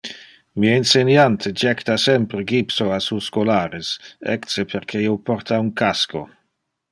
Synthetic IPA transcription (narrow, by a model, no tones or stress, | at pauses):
miainsenjant̪ʰed͡ʒɛkt̪asɛmpɾeɡipsoasuːskolaːɾesɛ̰ksepʰeɾkʰeiwpɔɾt̪auŋkasko̰